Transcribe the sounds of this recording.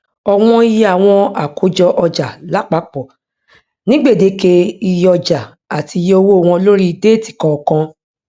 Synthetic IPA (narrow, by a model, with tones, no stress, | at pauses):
ɔ˧w̃ɔ̃˧i˦je˦a˨w̃ɔ̃˧a˨kʰo˨˦d͡ʒɔ˧ʔɔ˧d͡ʒa˨la˨˦k͡pa˨˦k͡pɔ˨ | nĩ˦ɡ͡be˦˨de˨˦ke˧i˧jɔ˧d͡ʒa˨ | a˨ti˨˧je˦o˧wo˦˨w̃ɔ̃˧lo˦ɾi˦de˦˨ti̥˨kɔ̃˨˧˨kã˧